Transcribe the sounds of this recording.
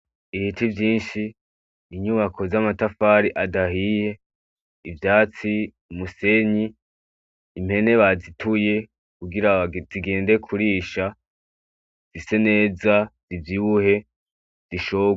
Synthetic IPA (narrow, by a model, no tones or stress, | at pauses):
ihitʰivjiːnʃiː | ɲuβakʰo̞zamatafaːɾiʔadaɦije̞ | ivjaːt͡si | umuse̞ɲiː | m̥he̞ne̞βazitʰuje̞ | kuɡiɾaziɡe̞ːndekʰuɾiːʃa | z̥ise̞ne̞ːzaz̥ivjiβuhe̞ | z̥iʃo